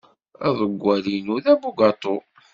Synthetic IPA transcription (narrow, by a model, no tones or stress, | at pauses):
æ̰ðˤəɡʷːælinuðæbuɡɑt̪ˤo